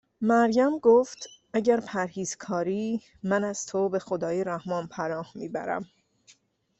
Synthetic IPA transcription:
mæɾjæmɡoːft̪ʔæɟæɾpʰæɾhiːz̥kʰɒːɾiː | mænæz̥t̪ʰobe̞xo̞d̪ɒːjeɾæhmɒːnpʰænɒːhmiːbæ̰ɾæ̰m

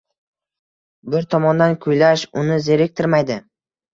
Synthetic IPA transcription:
bɪɾt̪ʰɒmɒnd̪ankʰʊjlaʃʊnɪze̞ɾek̚ʲt̪ʰɪɾmajd̪ɪ

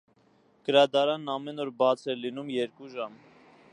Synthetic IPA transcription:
ɡ̥əɾɑd̪ɑɾɑnːɑmɛnɔɾbɑt͡sʰɛɾlinumjɛɾkuʒɑm

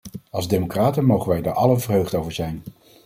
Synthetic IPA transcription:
ɑlˠzdemokraːtənmowχənʋɛjdaːɹʔɑlənvərɦøɥχtowvəɹzɛjn

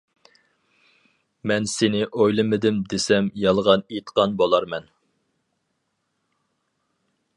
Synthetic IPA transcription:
mɛnsɪnɪʔojlˠɨmɪd̪ɪmd̪esɛmjɑlˠʁɑnet̪qɑnbolˠɑɾmɛn

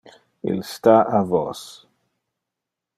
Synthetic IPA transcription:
ḭlst̪aavɔ̰s

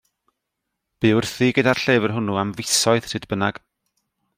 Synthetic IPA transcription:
b̥ɨʊrθiɡədarɬeːvərɦʊnuamvɪsɔɨð̥sʰɨdbənaɡ̥

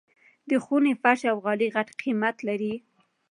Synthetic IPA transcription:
d̪əxunefaʃawɣɑliɣaʈqʰimat̪laɾi

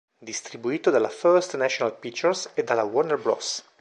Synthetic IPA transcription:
d̪ist̪ɾibuiːt̪od̪alafɛɾst̪naʃonalpikt͡ʃːɛɾsed̪alawɔnɛrbɾɔ̰s

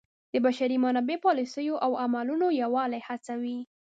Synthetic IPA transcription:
d̪̥əbaʃaɾimanɑbepɑlisəjoʔawamalunojawɑlajhat͡sawi

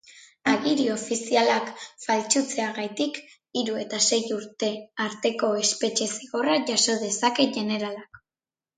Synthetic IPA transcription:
aɣiɾio̞fisialakfalt͡ʃut͡se̞aɣajt̪ik | iɾue̞t̪ase̞juɾt̪e̞aɾt̪e̞ko̞e̞spe̞t͡ʃe̞siɣo̞raʝaso̞ðe̞sake̞ʝe̞ne̞ɾalak

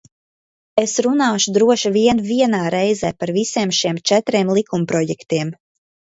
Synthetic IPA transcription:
esɾunaːʃud̪ɾuɔʃiviɛnviɛnaːɾɛjzɛːpaɾvisiɛmʃiɛmt͡ʃɛt̪ɾiɛmlˠikumpɾɔjɛkt̪iɛm

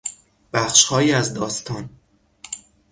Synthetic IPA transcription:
b̥æxʃhɒːjiːæzd̪ɒːst̪ʰɒːn

